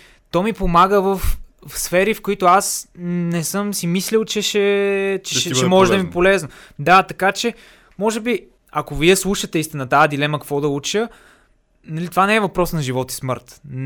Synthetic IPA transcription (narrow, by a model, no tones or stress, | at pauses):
t̪ɔmipomaɡəvəf | fsfɛɾifkoit̪ʊasnɛsɤmsimislilˠt͡ʃɛʃɛt͡ʃɛʃɛt͡ʃɛmɔʒɛd̪ɐmipolɛznod̪at̪ɐkat͡ʃɛ | mɔʒɛbi | ɐkoviɛslˠuʃət̪ɛist̪inət̪ajəd̪ilɛmɐkɐkvɔd̪ɐut͡ʃə | nɐlit̪ovanɛɛvɐpɾɔsnɐʒivɔt̪i̥smɤ̰ɾt̪